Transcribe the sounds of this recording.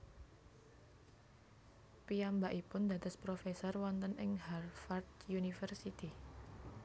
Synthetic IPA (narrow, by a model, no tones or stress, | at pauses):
piambaʔipʊnd̪ä̤d̪ə̤spɾofesɔrwɔnt̪ənʔɪŋharfart̪̚junifərsit̪i